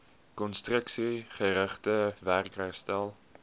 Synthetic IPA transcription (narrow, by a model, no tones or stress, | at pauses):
kɔnstrəksiχəɾəχtəværkrɛstælˠ